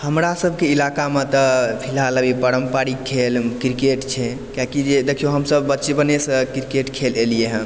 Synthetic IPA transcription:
həmɾasəbʱkeilakamet̪əpʰilɦaləbipəɾəmpaɽikʰːelkɾikeʈt͡ʃʰɛ | kjakid͡ʒed̪ekʰijoɦəmsəbːətːʃebənesə̃kɾikeʈkʰelelijeɦə̃

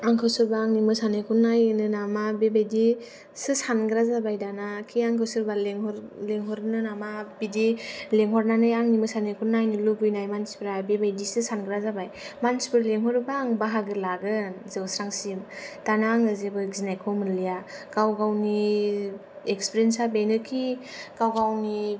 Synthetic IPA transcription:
aŋkʰɯwsɯɾbaːŋnimɯsanekʰunːajnɯnamabebajdi | sɯsanɡɾazabajdanakʰiaŋkʰɯwsɯɾbaleŋhɔɾleŋɦɔɾnɯnamabidileŋɦɔɾnanɯjaŋnimɯsanekʰunːajnɯlubɯjnajmansi̥pɯɾabebajdisɯsanɡɾazabajmansi̥pɯɾleŋɦɔɾbaŋbaɦaɡɯlaɡɯnzɯwsɾaŋsimtanaŋɯzebɯɡzinajkʰɔmɯnlijaɡ̥awɡawni | ekspiɾensabejnɯkʰikawɡawni

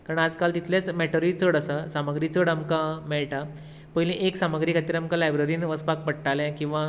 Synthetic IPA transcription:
kaɾəɳad͡zkalt̪it̪ʰlat͡smɛʈəɾit͡səɽəsəsaməɡɾiːt͡səɽamkamɛɭʈa | pəɦilĩʔeksaməɡɾiːkʰat̪iːɾamkalajbɾəɾiːnʋəspak̚pəɽʈaljɛ̃kĩw̃ʋa

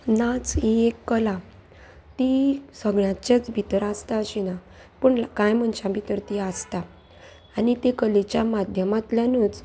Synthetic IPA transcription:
nat͡sɦiekːəla | t̪isəɡɭjãt͡ɕet͡sbʱit̪əɾast̪aəɕina | pəɳlkãjm̤əɳɕãbʱit̪əɾt̪iast̪aː | nit̪ekəlet͡ɕjamad̪ʱjəmat̪ljanut͡s

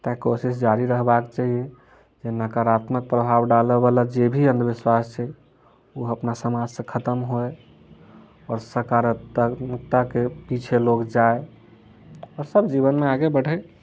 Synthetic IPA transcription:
t̪akosis̬d͡ʒaɾiɾəɦbakt͡ʃaɦie | d͡ʒenəkaɾat̪mək̚pɾəbʱabɖaləbalad͡ʒebʱiə̃nd̪əbiswast͡ʃʰɛ | uəpnasəmad͡ʒsẽkʰət̪əmɦoe | ɔːɾsəɾkaɾət̪muk̚t̪akepit͡ʃʰelokd͡ʒae | ɔɾsəbd͡ʒiβənmeaɡebəɽ̤ə

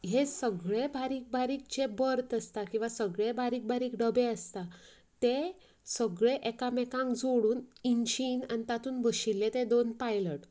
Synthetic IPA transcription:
ɦesəɡɭebʱaɾiːk̚bʱaɾiːk̚t͡ɕebəɾt̪əst̪akĩw̃ʋasəɡɭebʱaɾiːk̚bʱaɾiːkɖəbeəst̪a | t̪e | səɡɭeʔekamekãŋɡd͡zoɽuːninɕinanit̪at̪uːnbəɕilːet̪ed̪onpajləʈ

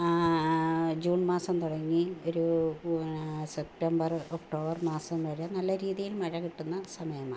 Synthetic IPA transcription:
d͡ʑuːɳmaːsɐmt̪uɽɐŋːioɾu | sep̚ʈɐmbɐrokʈo̞ːbɐrmaːsɐmʋɐɻɐnɐlːɐɾiːðijilmɐɻɐkiʈːunːɐsɐmɐjɐmaː

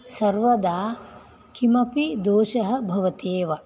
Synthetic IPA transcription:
sɐɾʋɐd̪aː | kimɐpid̪oːʃɐɦɐ̆bʱɐʋɐt̪eːʋɐ

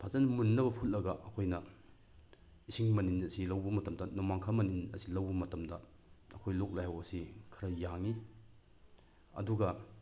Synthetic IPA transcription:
pʰazɐnmunːɐbɐpʰulːɐɡɐʔɐkʰojnɐ | isiŋmɐninɐsilɐwbɐmɐtɐmdɐnomaŋkʰamɐninɐ̰silɐwbɐmɐtɐmdɐ | ɐkʰojlok̚lajhɐwɐsikʰɐɾɐjaŋi | ɐ̰duɡɐ

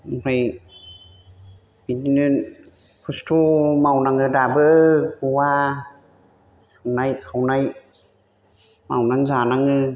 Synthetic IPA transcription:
pʰaj | bininɯn | kʰustʰumawnaŋɯdabəkuwaː | anajkʰawnaj | mawnaŋzanaŋɯ

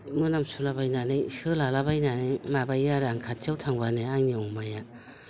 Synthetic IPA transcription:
mɯnamsulabajnanɯjskɯlalabajnanɯjmabajaɾaŋkʰatʰiawtʰaŋbaneaŋniɔŋmaja

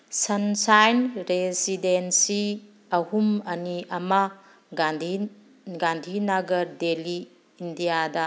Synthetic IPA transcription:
sɐnsajnɾesidensi | ɐhumɐniɐma | ɡadʱi | ɡandʱinaɡɐɾdeliː | ndijadɐ

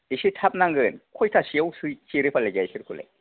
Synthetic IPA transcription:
isitʰap̚naŋɡɯnkʰɔjtʰasiawsɯjt͡ʃiɾepʰaleɡaisiɾkʰulḛ

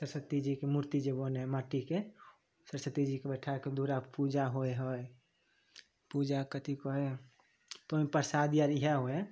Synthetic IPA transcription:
səɾsət̪ːid͡ʒikemuɾt̪id͡ʒeboneɦɛmaʈike | səɾsət̪id͡ʒikebɛʈʰaked̪uɾapud͡ʒaɦoeɦəj | pud͡ʒakət̪ikɔɦe | t̪oipəɾsad̪iaɾiɦaɦoe

